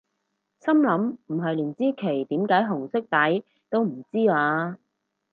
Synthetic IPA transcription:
sɐ˥mlɐ˨˥mm̩˨˩ɦɐ˨jliː˨˩nt͡siː˥kʰe˨˩jt̪iː˨˥mkaː˨˥jɦʊ˨˩ŋsɪ˥k̚t̪ɐ˨˥j | t̪o˥wm̩˨˩t͡siː˥aː˧

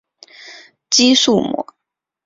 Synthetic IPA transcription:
t͡ɕi˥ʂu˥˩mwɔ̰˧˥

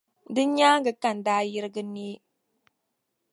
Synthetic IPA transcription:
dɨ˦ɲaː˦ŋɡə˨ka˨n˨daː˦ji˦ɾɡɨ˦ne˦

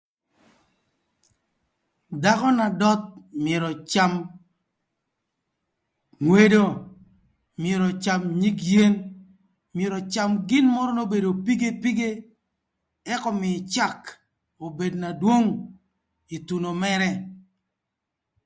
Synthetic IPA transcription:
da˦kɔ˦na˨dɔ˦t̪̚mje˨ɾɔ˨t͡ʃa˦m | ŋwe˦do˦ | mje˨ɾɔ˨t͡ʃa˨mɲi˦kje˦n | mje˨ɾɔ˨t͡ʃa˨mɡɪ˦nmɔ˦ɾɔ˦no˦be˨do˨pi˦ɡe˦pi˦ɡe˦ | ɛ˦kɔ˦mɪ˨t͡ʃa˦˨k | o˨be˨dna˨dwo˦ŋ | i˨tu˨no˨mɛ˦ɾɛ˦

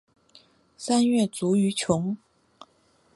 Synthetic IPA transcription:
sa˥nɥɛ˥˩t͡su˧˥y˧˥t͡ɕʰjʊ˧˥ŋ

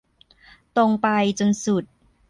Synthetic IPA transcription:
t̪o˧ŋpa˧jt͡ɕo˧nsu˨˩t̪̚

